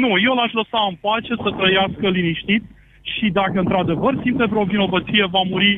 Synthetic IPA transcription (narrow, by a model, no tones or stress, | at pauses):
nujewlaʃləsaɨmpat͡ʃe̞sət̪ɾəjaskəliniʃt̪it̪ | ʃid̪akəɨnt̪ɾad̪e̞vərsimt̪evɾeo̞vino̞vət̪sije̞vamuɾi